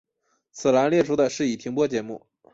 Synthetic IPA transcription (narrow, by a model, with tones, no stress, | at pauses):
t͡sʰɹ̩˨˩la˧˥nljɛ˥˧ʈ͡ʂʰu˥d̪ə˧ʂɻ̩˥˩i˨˩t̪ʰi˧˥ŋpwɔ˥t͡ɕjɛ˧˥mu˥˩